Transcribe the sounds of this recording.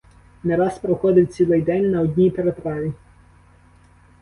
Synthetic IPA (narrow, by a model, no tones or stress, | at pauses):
neɾɑspɾɔxɔd̪ɪwt͡sʲilˠɪjd̪ɛnʲnɐɔdʲnʲijpeɾet̪ɾɑʋʲi